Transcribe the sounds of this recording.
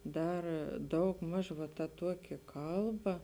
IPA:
ˈdɐr ˈdɐʊɡˌmɐʃ ʋɐ tɐ ˈtuɔkʲɪ ˈkɐlˠˌbɐ

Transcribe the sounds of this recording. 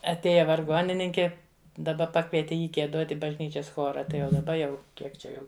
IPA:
ɐtʲˈeːjɛ ʋɐrˈɡoːnʲɪnʲɪŋʲkʲɪ dɐˈbɐ ˈpɑːkʋʲiɛtʲɪ ˈjiː ɡʲiɛˈdoːtʲ ɪ bɐʒʲˈnʲiːt͡ʃʲɛs ˈxoːrɐ ˈtɐɪ jɛʊ dɐˈbɐ jɛʊ ˈkʲiɛk t͡ʃʲɛ ˈjɛʊ

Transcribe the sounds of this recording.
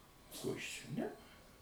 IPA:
ˈkoː ˈjɪs ˈt͡ʃʲɛ ˈnʲɛ

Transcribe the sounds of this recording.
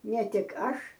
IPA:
nʲɛ ˈtʲɪk ˈɐʃ

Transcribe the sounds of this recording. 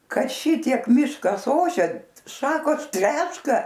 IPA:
ˈkɐ ˈʃʲɪtʲiɛk ˈmʲɪʃkɐs ˈoːʃʲɛ ˈʃɑːkoːs ˈtʲrʲæːʃkɐ

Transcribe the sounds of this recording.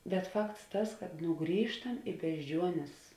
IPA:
bʲɛt ˈfɐkts ˈtɐs kɐt ˈnʊ ˈɡrʲiːʃtɐm ɪ bʲɛʒʲˈd͡ʒʲuɔnʲeːs

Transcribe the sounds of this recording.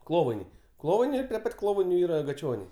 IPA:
ˈklˠoːʋɐɪnʲɛɪ ˈklˠoːʋɐɪnʲɛɪ ˈɪr pʲrʲɪ ˈpɐtʲ ˈklˠoːʋɐɪnʲʊ ˈiːrɐ ɡɐˈt͡ʃʲoːnʲɛɪ

